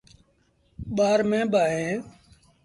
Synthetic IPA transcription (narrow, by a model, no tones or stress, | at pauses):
ɓaːɾmẽːɓaːɦẽː